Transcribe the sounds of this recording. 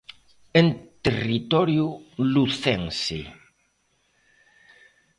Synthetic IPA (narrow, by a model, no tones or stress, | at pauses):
ent̪erit̪ɔɾjuluθeŋsi